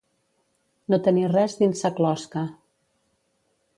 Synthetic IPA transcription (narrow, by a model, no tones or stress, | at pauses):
not̪ənirɛzðinsəklɔskə